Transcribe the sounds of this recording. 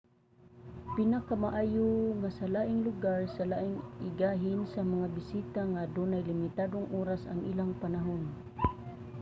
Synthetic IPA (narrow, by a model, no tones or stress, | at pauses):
pɪnakamaʔaːjoŋasalaːʔɪŋlʊɡaɹsalaːʔɪŋʔɪɡaːɦɪnsamaŋabɪsiːt̪aŋad̪unajlɪmɪt̪aːd̪oŋʔuːɾasa̰ŋʔilaŋpanaɦon